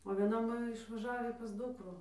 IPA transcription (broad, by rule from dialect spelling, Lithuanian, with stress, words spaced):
oː ʋʲiɛˈnɐ ˈmoːjɛ ɪʃʋɐˈʒɑːʋʲiː pɐs ˈdʊkruː